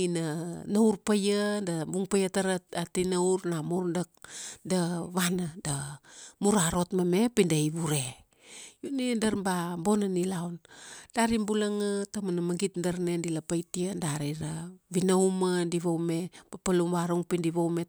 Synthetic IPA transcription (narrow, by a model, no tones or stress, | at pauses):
inanawɾpajadabuŋpajataɾat̚atinawɾnamuɾdak̚daβanadamuɾaɾo̞tmame̞pindaiβuɾe̞ | junidaɾbabonanilaond̥aɾimbulaŋatamanamaɡitdaɾnendilapajtiandaɾiɾaβinawmadiβowme̞papalumβaɾuŋpindiβowme